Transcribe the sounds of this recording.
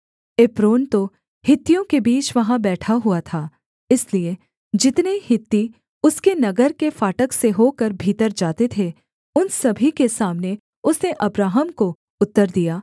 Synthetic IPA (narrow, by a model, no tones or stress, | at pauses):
epɾoːnt̪o | hɪt̪ːijõkebiːt͡ʃʋɐɦãbɛːʈʰaɦuat̪ʰaː | ɪslie | d͡ʒɪt̪nehɪt̪ːi | ʊskenɐɡəɾkefaːʈəkseɦokəɾbʱiːt̪əɾd͡ʒaːt̪et̪ʰe | ʊnsɐbʱikesaːmne | ʊsneʔɐbɾaːɦəmko | ʊt̪ːəɾd̪ijaː